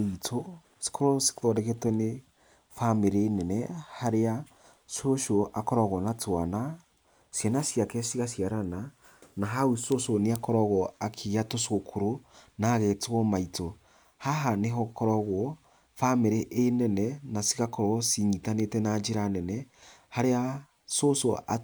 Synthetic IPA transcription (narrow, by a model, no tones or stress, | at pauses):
itʰo | si̥kʰoɾɔsi̥kɔɾɛɣetwɛne | fameɾeːnɛnɛhaɾea | soʃoʔakɔɾɔɣɔnatwana | sjanasjakɛsiɣasjaɾana | naɦawisosoneakɔɾɔɣɔakʰiɣatosokʰoɾonaɣɛtɣɔmaito | haɦaneɦɔkɔɾɔɣwɔ | fameɾeʔːnɛnɛnasiɣakɔɾɔsiɲitanetɛnad͡ʒeɾanɛnɛhaɾea | sosoʔa